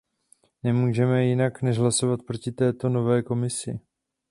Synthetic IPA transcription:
nɛmuːʒɛmɛjɪnaknɛʒɦlaso̞vat̪̚pɾo̞cɪt̪ɛːt̪o̞no̞vɛːko̞mɪsɪ̰

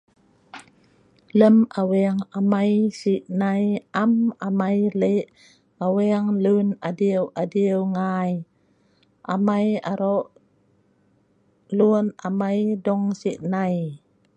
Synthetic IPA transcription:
ləmawɛaŋamajsiʔnajamamajleʔ | awɛaŋlunadiəwʔadiəwŋaj | ʔa̰majaɾɔʔ | luənamajdɔŋsiʔnaj

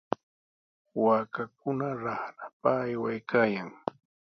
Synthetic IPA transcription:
waːkak̚ʊnaɾaɾapaːjwajkʰaːjaŋ

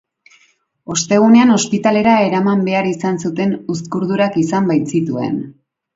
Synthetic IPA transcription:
o̞st̪e̞ɣ̞une̞ano̞spit̪ale̞ɾae̞ɾamambe̞aɾisansut̪e̞nuskuɾðuɾakisambajt͡sit̪ue̞̰n

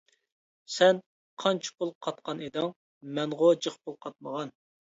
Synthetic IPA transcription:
sɛn | qʰɑnt͡ʃʰpʰulˠqʰɑt̪̚qʰɑned̪ɪŋ | mɛŋʁod͡ʒəχpʊlˠqʰɑt̪̚məʁɑn

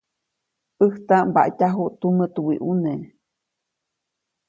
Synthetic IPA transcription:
ʔəht̪aʔmba̰ʔcaɦuʔt̪umət̪uwiʔune

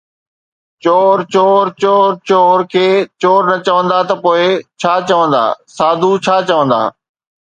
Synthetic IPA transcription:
t͡ɕoːɾt͡ɕoːɾt͡ɕoːɾt͡ɕoːɾkʰeːt͡ɕoːɾnɐt͡ɕəʋə̃nd̪at̪ɐpoːɪt͡ɕʰaːt͡ɕɐʋə̃nd̪a̰ːsaːd̪ʱut͡ɕʰaːt͡ɕəʋə̃nd̪a̰ː

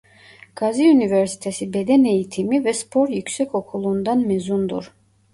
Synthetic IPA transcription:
ɡ̥aziunivɛɾsi̥t̪ʰɛsibɛd̪ɛnɛjit̪ʰimivɛspʰɔɾjykʰsɛkʰɔkʰulˠund̪anmɛzund̪ṵɾ

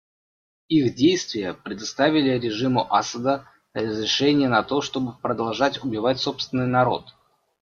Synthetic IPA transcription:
ixdʲejst̪vʲɪjəpɾʲɪd̪ɐst̪avʲɪlʲɪɾʲɪʐɨmʊʔasəd̪ə | rəzɾʲɪʂɛnʲɪjənɐt̪o̞ʂt̪o̞bɨpɾəd̪ɐlˠʐatʲʊbʲɪvatʲso̞pst̪vʲɪnːɨjnɐɾo̞̰t̪

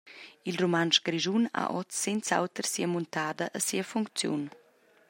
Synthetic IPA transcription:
ilromanʃɡ̥ɾiʒuna̰ʔɔt͡sːent͡sa̰wt̪əɾsiəmunt̪aːd̪əʔəsiəfuŋkt͡sjṵn

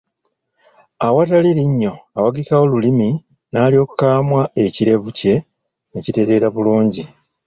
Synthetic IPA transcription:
awataliɾiɲːo̞awaɡikawo̞lulimi | naːlijo̞ːkukaːmwae̞ciɾe̞βuce̞ | necite̞ɾe̞ɾaβuluːɲɟi

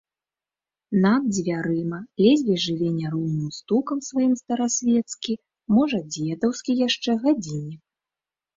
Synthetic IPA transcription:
nad̪̚d͡zʲvʲaɾɨmɐlʲɛzʲvʲɛʐɨvʲɛnʲːɐɾuwnɨmst̪ukɐmsvajimst̪ɐɾasʲvʲɛt̪skʲi | mɔʐɐd͡zʲɛd̪ɐwskʲijaʂt͡ʂɛɣad͡zʲinʲɛ

